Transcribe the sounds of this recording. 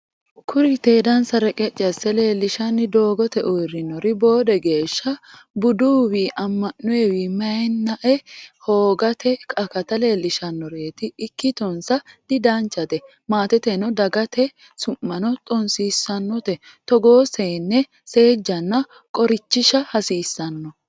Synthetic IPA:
kʰʊɾɪt̪eːd̪ɐnsɐɾɛkʼɛt͡ʃʼːɐsɛle̞ːlːɪʃɐnːɪd̪o̞ːɡɔt̪ɛʔɔrɪnɔɾɪbo̞ːd̪ɛɡe̞ːʃːɐbʊd̪uːwiʔɐmːɐnːʊɛwimɐjnːɐʔɛho̞ːɡɐt̪ʰɛkʼɐkɐt̪ɐle̞ːlːɪʃɐnːɔɾe̞ːt̪ɪːkːɪt̪ɔnsɐd̪̥ɪd̪ɐnt͡ʃːɐt̪ɛ | maːt̪ɛt̪ɛnɔd̪ɐɡɐt̪ɛ | sʊmːɐnɔt̪ʼɔnsiːsːɐnːɔt̪ɛ | t̪ɔɡoːseːnːɛ | se̞ːd͡ʒːɐnːɐ | kʼɔɾɪt͡ʃːɪʃɐhɐsiːsːɐnːɔ

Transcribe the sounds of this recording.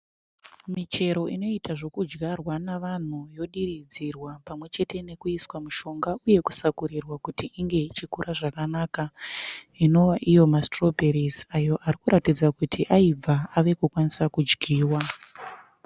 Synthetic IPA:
mit͡ʃe̞ɾo̞ino̞itaʐo̞kud͡ʒɡʱarwanaʋan̤ujo̞ɗirid͡zirwapamwe̞t͡ʃe̞tʰe̞ne̞kuiswamuʃo̞ŋɡauje̞ku̥sakuɾirwakutiʔiŋɡe̞it͡ʃikuɾʔaʐakanaːka | ino̞waʔijo̞mastro̞peɾizajo̞ʔarikuɾatid͡zakutʰiʔaib͡vʱaaʋe̞kukwanisakud͡ʒɡʱiːwa

